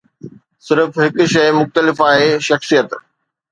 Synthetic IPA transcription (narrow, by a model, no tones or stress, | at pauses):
sɪɾfɦɪkʃɐjmʊxt̪əlɪfaːɦeʃɐxsijət̪